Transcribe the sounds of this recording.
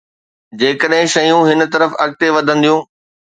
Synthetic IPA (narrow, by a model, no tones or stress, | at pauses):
d͡ʑeːkəɗɦɪ̃ʃɐjũɦɪn̆t̪ɐɾəfɐk̚t̪eʋɐd̪ʱə̃nd̪ijũː